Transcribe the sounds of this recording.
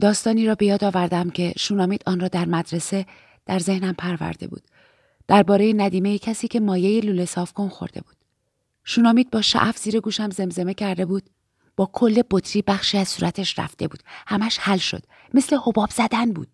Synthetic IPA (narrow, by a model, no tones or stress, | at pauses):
d̪ɒːst̪ɒːniːɾɒːbe̞jɒːd̪ɒːvæɾd̪æmcʰe̞ʃuːnɒːmiːd̪̥ʔɒːnrɒːd̪æɾmæd̪ɾe̞se̞ | d̪̥æɾze̞hnæmpʰæɾvæ̰ɾd̪e̞̰bṵːd̪̥ː | æɾbɒːɾejenæd̪iːme̞jecʰæsiːcʰe̞mɒːje̞jeluːle̞sɒːfkonxo̰ɾd̪e̞̰buːd̪̥ | ʃuːnɒːmiːd̪̚bɒːʃæ̰ʔæfz̥iːɾe̞ɡuːʃæmze̞mze̞me̞cʰæɾd̪e̞buːd̪̥̚ | b̥ɒːkʰo̞lːe̞bo̞t̪ʰɾiːbæxʃiːæz̥suːɾʔæt̪ʰeʃɾæ̰fd̪e̞bṵːd̥̪hæmæʃhælʃo̞̰d̪ | me̞sle̞ho̞bɒːbz̥æd̪ænbṵːd̪̥